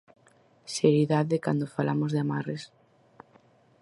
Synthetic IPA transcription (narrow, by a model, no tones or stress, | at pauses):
seɾiðaðekand̪ofalamozðeamares